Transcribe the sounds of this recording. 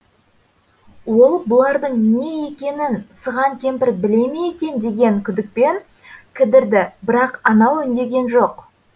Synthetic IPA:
wo̞lˠbʊlˠɑɾd̪əɴne̞je̞kʲe̞nɪnsəʁɑŋkʲʰe̞mpɪɾbɪle̞mejekʲe̞nd̪e̞ɡʲe̞ŋkʲʰʏd̪ɪk̚pe̞ŋ | kʲʰɪd̪ɪɾd̪ɪbɪɾɑqɑnɑwʏnd̪e̞ɡʲe̞nʒo̞q

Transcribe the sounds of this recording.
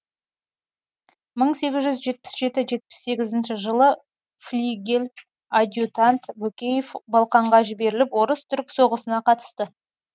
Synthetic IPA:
məɴse̞ɡʲɪzʒʏzʒe̞t̪̚pɪ̥sʒe̞t̪ɪʒe̞t̪̚pɪ̥sːe̞ɡʲɪzɪnʃɪʒəlˠə | flʲiɡʲel | ad̪ʲjut̪ant̪bɵkʲe̞jefbɑlˠqɑɴʁɑʒɪbe̞ɾɪlɪpwo̞ɾəst̪ʰʏɾkso̞ʁəsənɑqʰɑt̪ə̥st̪ə

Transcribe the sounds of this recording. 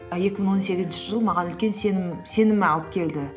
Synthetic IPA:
je̞kʲɪmɪɴwo̞nse̞ɡʲɪzɪnʃɪʒəlˠmɑʁɑnʏlkʲe̞nsse̞nɪmɪɑlˠəp̚kʲʰe̞ld̪ɪ

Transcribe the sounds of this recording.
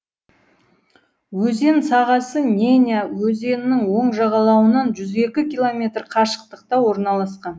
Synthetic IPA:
wɵze̞nsɑʁɑsənʲenʲjawɵze̞nɪːɪŋwo̞ɴʒɑʁɑlˠɑwənɑnʒʏze̞kʲɪkʲilˠo̞mʲe̞t̪rqʰɑʃə̥q̚t̪əq̚t̪ɑwo̞ɾnɑlˠɑsqɑn

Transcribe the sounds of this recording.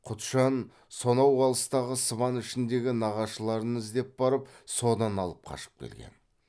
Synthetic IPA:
qʰʊt̪ʃɑn | so̞nɑwʁɑlˠəst̪ɑʁəsəβɑnɪʃɪnd̪e̞ɡʲɪnɑʁɑʃəlˠɑɾənɪzd̪e̞p̚bɑɾəpso̞d̪ɑnɑlˠəp̚qʰɑ̰ʃə̥p̚kʲʰḛlɡʲḛn

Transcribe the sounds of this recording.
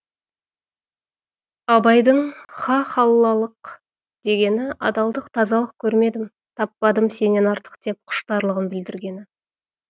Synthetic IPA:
ɑbɑjd̪əɴχɑχɑlˠlːɑlˠəq | d̪̥e̞ɡʲe̞nɪʔɑ̰d̪ɑlˠd̪əqt̪ʰɑzɑlˠəq̚kʲʰɵɾme̞d̪ɪm | t̪ʰɑpːɑd̪əmse̞ne̞nɑɾt̪ə̥qt̪e̞p̚qʰʊ̥ʃt̪ɑɾlˠəʁəmbɪld̪ɪɾɡʲe̞nɪ

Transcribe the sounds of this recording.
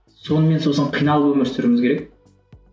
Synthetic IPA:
so̞nəme̞nsosəɴqʰijnɑlˠpwɵmɪɾsɪɾɪmɪzkʲʰeɾek̚

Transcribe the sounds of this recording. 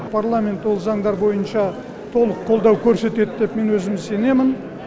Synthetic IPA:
pʰarlˠamʲe̞nt̪wo̞lˠzɑŋɴd̪ɑɾbo̞jənʃɑ | t̪ʰo̞lˠəqʰːo̞lˠd̪ɑwkʲʰɵɾse̞t̪e̞d̪d̪e̞pme̞nwɵzɪmɪzse̞ne̞mɪn

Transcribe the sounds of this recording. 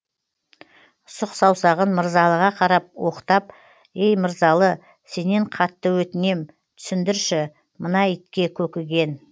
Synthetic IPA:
sʊqsɑwsɑʁənməɾzɑlˠəʁɑqʰɑɾɑp̚wo̞qt̪ɑp | ejməɾzɑlˠə | se̞ne̞ɴqʰɑt̪ːəwɵt̪ɪne̞m | t̪ʰʏ̥sɪnd̪ɪɾʃɪ | mənɑɪt̪kʲe̞kʲʰɵkʲɪɡʲe̞n

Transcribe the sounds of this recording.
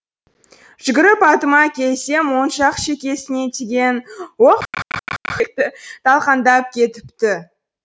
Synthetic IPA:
ʒ̥ʏɡʲɪɾɪpɑt̪əmɑkʲʰe̞lse̞mwo̞nʃɑqʃe̞kʲe̞sɪne̞t̪ʰeɡʲe̞nwoq | ek̚t̪ɪt̪ʰɑlˠqɑnd̪ɑp̚kʲʰe̞t̪ɪ̥pt̪ɪ

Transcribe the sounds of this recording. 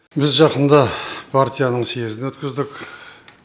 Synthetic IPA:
bɪzʒɑqənd̪ɑpʰaɾt̪ʲijanəɴse̞zɪnwɵt̪kʲɪzd̪ɪk

